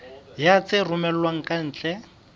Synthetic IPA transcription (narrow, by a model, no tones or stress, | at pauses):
jat͡sʼɪrʊmɛlwaŋ̩kʼan̩ːt͡ɬʼɛ